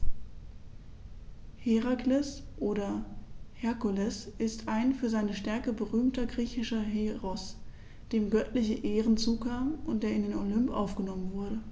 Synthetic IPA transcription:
heʁaklɛsʔoːɾɐhɛɐkʊlɛsʔɪstʰʔaɪnfyːɐzaɪnəʃtɛɐkəbəʁyːmtɐɡʁiːçɪʃɐɦeːʁɔs | d̥eːmɡœtlɪçəʔeːʁənt͡suːkʰaːmʔʊntd̥eːɐɪndeːnolʏmpʔa̰ʊfɡ̥ənɔmənvʊɐɾə

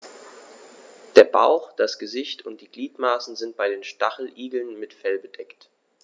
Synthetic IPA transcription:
d̥eːɐba̰ʊxd̥asɡ̥əzɪçtʊnt̚d̥iːɡliːtmaːsn̩zɪnt̚b̥aɪdeːnʃtaχl̩ʔiːɡl̩nmɪtfɛlbədɛkt

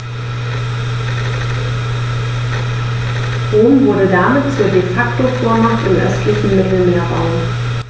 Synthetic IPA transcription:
ʁoːmvʊɐɾədamɪtt͡suːɐdefaktofoːɐmaχtɪmʔœ̰stlɪçn̩mɪtl̩meːɐba̰ʊ

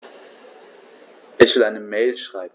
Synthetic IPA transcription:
ʔɪçv̥ɪlʔaɪnəmeɪlʃʁ̥aɪb̩

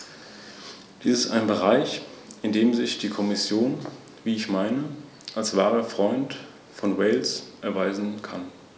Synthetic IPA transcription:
d̥iːsɪsta̰ɪnbəʁaɪçʔɪndeːmzɪçd̥iːkʰɔmɪsjoːn | viːɪçmaɪnə | ʔalsv̥aːʁɐfʁ̥ɔʏnt | fɔnwɛɪlsʔɛɐvaɪzn̩kʰan

